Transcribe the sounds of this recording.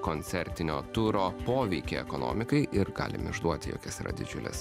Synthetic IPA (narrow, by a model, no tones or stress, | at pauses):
koːnʲt̪sʲɛɾʲt̪ʲɪnʲoːt̪ʊɾoːpoːʋʲɛɪkʲḛːɛ̰kono̰ːmʲɪkɐɪʔɪɾɡɑ̰ːlʲɪ̰mɪ̰ʒd̪uɔt̪ʲɪjo̰ːkʲɛsɪɾʔɐ̰d̪ʲɪ̰d͡ʒʲʊlʲɛ̰s